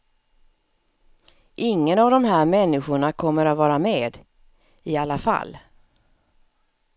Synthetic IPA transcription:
ʔɪŋːənavd̪ɔmɦæːɾmɛnːɪɧʊɳakʰɔmːəɾat̪vɑːɾameːd̪ | ɪalːafa̰lː

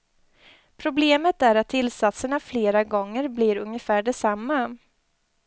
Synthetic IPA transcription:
pʰɾʊbleːmət̪æɾat̪ʰːɪlsat̪səɳafleːɾaɡɔŋːəɾbliːɾɵŋjəfæːɖɛsamːa

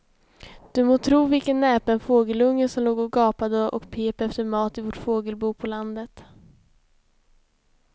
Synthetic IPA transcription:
d̪̥ɵmoːt̪ʰɾuːvɪlkənːɛːpənfoːɡəlɵŋːəsɔmloːɡɔɡɑːpad̪əʔɔ̰kpʰeːpɛft̪əɾmɑːt̪ɪvɔʈfoːɡəlbuːpʰɔland̪ət̪

